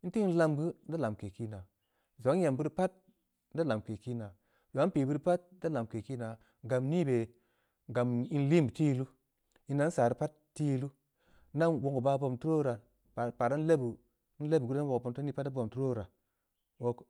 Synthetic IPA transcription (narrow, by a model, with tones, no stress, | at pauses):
i˦n̩˦ti˦n̩˦la˧mɡɨ˦n˦da˦la˨m˨ke˨ki˦na˨ | zo˨˦ŋ˦je˨mbɨ˦ɾpa˦t̚ | n˦da˦la˨mke˨ki˦na˨ | ja˨˦pi˨bɨ˦ɾpa˦t̚da˦la˨m˨ke˨ki˦na˨ | ɡa˨mni˦be˨ | ɡa˨mi˦n˦li˦mbti˦jlu˦ | i˧nːa˨˦n̩˦saː˨ɾi˦pa˦t | tːi˦jlu˦ | na˦nwo˨ŋɡu˨ba˧bo˧˨mtu˦ɾo˦ɾa˨ | pa˨ɾa˦n˦le˦bu˨˦ | n̩˦le˦bɡu˦a˦wo˨po˨mto˦i˦pa˦tdbo˧˨mtu˦ɾo˦˨ɾa˨ | wo˨k